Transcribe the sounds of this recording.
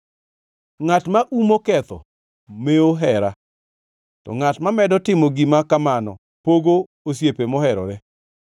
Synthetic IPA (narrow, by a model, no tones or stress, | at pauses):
ŋatmaʔumokɛt̪ɔ̰ | meoɦɛɾa | tɔ̰ŋatmamɛdɔtɪmɔɡimakamanɔ̰ | poɡo | os̬jepemɔhɛɾɔ̰ɾɛ